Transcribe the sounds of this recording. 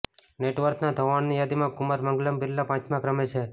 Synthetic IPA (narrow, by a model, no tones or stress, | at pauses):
neʈʋəɾk̪nad̪ʱəʋaɳnijad̪imãkʊməɾməŋɡləmbɪlːapãt͡ʃmãkɾəmet͡ʃʰe